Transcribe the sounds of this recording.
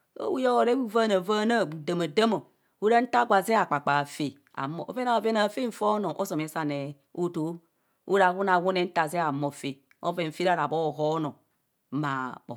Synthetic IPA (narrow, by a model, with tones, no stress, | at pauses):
o̰˦wu˦jo˦o˨ɾe˦i˦va˦na˨va˦na˦˨da˨ma˨də˦mo˨ | wu˦ɾa˦n̩˦ta˦ɡʷa˨ze˦a˨k͡pa˨k͡pa˨fe˨ | a̰˨mo̰˨ʔve˦na˨ve˦na˨fe˦ɱ̩˦˨fo˦no˨ʔo̰˦so˨m˨e˨˦sa˨ne˨ | o˦to˨˦ | ṵ˦ɾa˨wu˦na˨wu˦ne˦n̩˦ta˨ze˦a˨mo˨fe˨ | o̰˦ve˨m̩˨fi˦ɾa˦˨ɾa˨bo˦˨ɦo˦no˨˦ | ma˨k͡po˨